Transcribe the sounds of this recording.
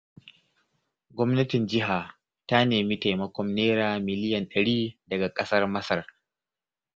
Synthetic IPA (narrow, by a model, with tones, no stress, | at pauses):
ɡʷɔ˦mnɐ˦tɪ˨nd͡ʒɪ˦ɦaː˨ | ta˦neː˨mi˦ta˨jmɐ˦kʷɔ˦mneː˦ɾaː˨mɪ˨lɪ˦jɐ˨nɗɐ˨ɽiː˦dɐ˨ɡa˨kʼɐ˦sɐ˦rmɐ˦sɐ˨r